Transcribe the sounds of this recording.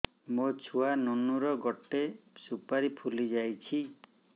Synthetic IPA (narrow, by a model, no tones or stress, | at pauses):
mot͡ʃʰuanonuɾɔɡɔʈesupaɾipʰulid͡ʒajt͡ʃʰi